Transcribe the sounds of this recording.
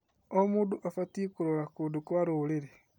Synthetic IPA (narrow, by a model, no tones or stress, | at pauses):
omuːduʔafatikuɾolakudukuaɾuliɾe